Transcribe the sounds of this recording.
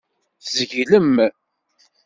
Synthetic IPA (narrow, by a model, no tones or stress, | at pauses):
θzʝiləm